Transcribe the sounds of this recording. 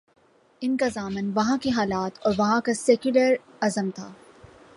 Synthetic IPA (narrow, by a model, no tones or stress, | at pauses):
ɪnkazaːmɪnʋɐɦãkeɦaːlaːt̪ʰɔːɾʋɐɦãkasɛːkjʊləɾ | ɐzəmt̪ʰaː